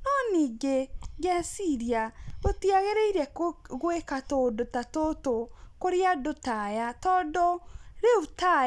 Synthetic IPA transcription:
nɔniːɡeɡɛsiɾiaɣotiaɣeɾeiɾɛɣwekatodotatotokoɾeadotajatɔdoɾeuta

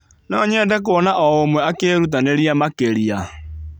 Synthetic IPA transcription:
nɔːɲɛːndɛk̬oɔnaʔɔomwɛakeːɾut̬aneɾiamakeɾia

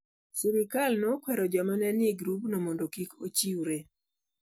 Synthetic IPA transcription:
sɪɾɪkalnokwɛɾɔd͡ʒɔmanɛnɪɡɾupnomondokikot͡ʃiwɾe

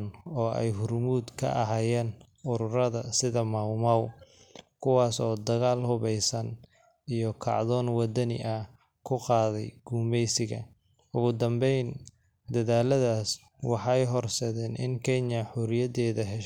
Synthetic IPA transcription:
nɔːʔɛ̰jɦʊrmuːd̪kʰɐ̰ʔɐɦaːjɛːn | ʔʊɾʊɾɐðɐsɪðɐmɐwmaw | kʰʊwɑːsɔːd̪ɐɣaːlhʊβɛjsɐn | ijɞkʰɑ̰ʕðɔːnwɑd̪ɐnɪ̰ʔɐ | kʰʊqɑːðɛjɡ̥uːmɛjsɪɣɐ̰ | ʊɣʊd̪ɐmbɛjn | d̪ɐðaːlɐðaːs | wɑħɑjɦɔrsɛðɛːnʔɪ̰ŋkʰɛɲɐħʊɾɪjɐðɛːðɐɦɛʃ

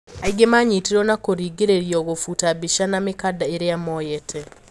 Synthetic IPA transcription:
aiɡemaɲitiɾɔnakoɾiːɡeɾeɾiɔɣofutabiʃanamekadaeɾeamɔjɛtʰɛ

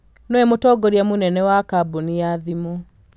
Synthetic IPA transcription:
nɔɛmotɔːɡɔɾiamonɛnɛwakabonijaðimo

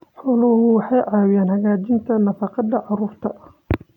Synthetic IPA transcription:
ħɔːlʊhʊwɑħɑjʕɑːwɪjaːnhɐɣaːt͡ʃɪnt̪ʰɐnɐfɑqɑd̪ɐʕɑruːrt̪ʰɐ

